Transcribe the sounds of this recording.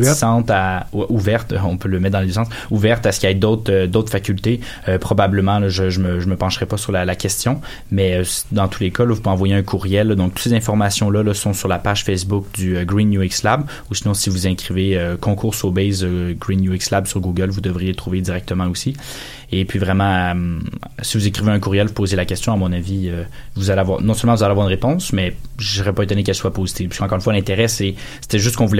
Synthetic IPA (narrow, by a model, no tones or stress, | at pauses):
sɑ̃t̪awɛʔuvɛʁt̪ɔ̃pøləmɛt̪̚d̪ɑ̃lesɑ̃s | uvɛʁt̪aɛsə̥kʲiaɛd̪ɔt̪χød̪ot̪χfakʲylt̪e | øpχɔbabləmɑ̃lɔʒəʒəməʒəməpɑ̃ʃʁɛpɔsyʁlalakʲɛst̪jɔ̃ | mɛøsd̪ɑ̃t̪ʰulekalɔvupɑ̃vwajeɛ̃kʰuʁjɛlːɔd̪ɔ̃k̚t̪u̥t̪sezɛ̃fɔʁmasjɔ̃lʌlɔsɔ̃syʁlapaʒ̥fɛsbʊk̚d̪yøɡʁinːjuikslab | usinɔ̃sivuzɛ̃kχiveøkɔ̃kuʁsobɛjzøɡʁinːjuikslabsyʁɡuɡəlvud̪əvʁijet̪χuved̪iʁɛk̚t̪əmɑ̃osi | epɥivʁɛmɑ̃ɛmsivuzekχiveɛ̃kuʁjɛlvupozelakʲɛst̪jɔ̃amɔ̃naviø | vuzaleavwaːʁnɔ̃sœlmɑ̃vuzaleavwaʁynʁepɔ̃smɛʒəsəʁɛpaet̪ɔnek̬ɛlswapozit̪iv̥pḁskɑ̃kɔʁinfwalɛ̃t̪eʁɛsɛse̥t̪ɛʒʏst̪̚kɔ̃vulɛ